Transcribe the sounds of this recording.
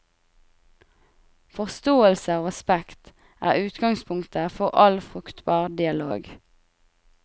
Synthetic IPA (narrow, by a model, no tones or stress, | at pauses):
fɔʁst̪oːəlsəoːɛspɛkt̪ | ʔæ̰ːʁʉːt̪ɡɑŋspʰʊŋt̪əfɔʁʔɑlfʁʉkt̪bɑːʁd̪ɪɑlo̰ːɡ